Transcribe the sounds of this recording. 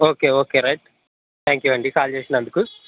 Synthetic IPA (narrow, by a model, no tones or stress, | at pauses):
oːkeːoːkeːɾɐjʈ̚ | t̪ʰaːŋkjuɐɳɖikaːlt͡ʃe̞ːsinɐnd̪uku